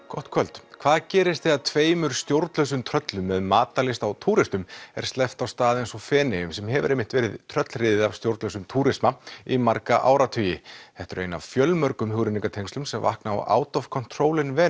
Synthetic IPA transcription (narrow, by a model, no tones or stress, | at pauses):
kɔht̪kʰvœlt̪kʰv̥aːðcɛːɾɪst̪θɪaðt̪ʰveːjmʏɾ̥st̪jowɾt̪lœsʏmt̪ʰɾœt̪lʏmːɛðmaːt̪alɪst̪awt̪ʰuːɾɪst̪ʏmɛ̰ɾ̥st̪ɛft̪awst̪aːðensɔfɛːnɪjʏmsɛmɦɛvʏ̰ɾejmɪht̪vɛːɾɪðt̪ʰɾœt̪lrɪːðɪðav̥st̪jowɾt̪lœsʏmt̪ʰuːɾɪsmaimaɾkaʔa̰ːwɾat̪ʰœːjɪθɛht̪ʏɾḛjna̰v̥fjœlmœɾkʏmɦʏwɾɪniŋkat̪ʰejŋst̪ʏmsɛmva̰hknaa̰wa̰ːwt̪ɔfkʰɔn̥t̪ʰɾoːwlɪnvɛː